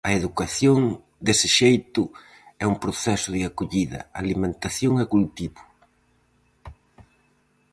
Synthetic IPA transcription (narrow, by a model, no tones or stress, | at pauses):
ɐeðukaθjoŋ | d̪esɪʃejt̪ʊ | ɛumpɾoθɛsʊðɪakoʎiðɐ̰alimẽnt̪aθjoŋɐkult̪iβʊ